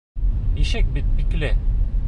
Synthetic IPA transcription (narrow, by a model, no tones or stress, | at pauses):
iʃɘk̚bit̪̚biklɘ